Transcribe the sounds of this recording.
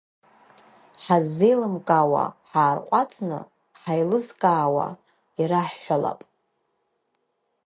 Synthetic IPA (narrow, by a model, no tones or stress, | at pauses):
ħazːejlɨmkʼawa̰ħaːrqʷʼat͡sʼnɨ̰ | ħajlɨzkʼaːwa̰ | iɾaħːʷala̰pʼ